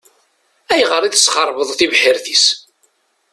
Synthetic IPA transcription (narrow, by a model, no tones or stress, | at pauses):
æjʁəɾˤiθsχəɾˤvəðˤθivħɪɾθis